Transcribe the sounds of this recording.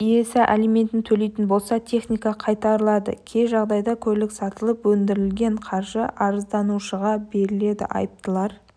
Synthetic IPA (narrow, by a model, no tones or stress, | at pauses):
ije̞sɪʔalime̞nt̪ɪnt̪ʰɵle̞jt̪ɪnbo̞lˠsɑt̪ʲʰe̞χnijkɑqʰɑjt̪ɑɾəlˠɑd̪ə̰kʲʰe̞ʒɑʁd̪ɑjd̪ɑkʲʰɵlɪksɑt̪əlˠəpwɵnd̪ɪɾɪlɡʲe̞ɴqʰɑɾʒəʔɑɾəzd̪ɑnuʃəʁɑbe̞ɾɪle̞d̪ɪ̰ʔɑ̰jəp̚t̪əlˠɑɾ